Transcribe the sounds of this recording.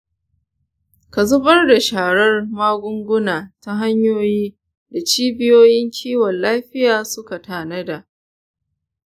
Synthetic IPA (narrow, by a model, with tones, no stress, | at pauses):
ka˨zʊ˦bɐ˦rda˨ʃaː˨ɽɐ˦rmaː˦ɡʷʊ˦ŋɡʷʊ˦naː˨ta˦ɦa˦ɲjoː˦jiː˦ | da˨t͡ʃiː˦bɪ˦joː˦jɪ˦ŋkʲʰiː˦wɔ˨nlaː˦ɸɪ˦jaː˨sʊ˦ka˨taː˨nɐ˦da˨ʔ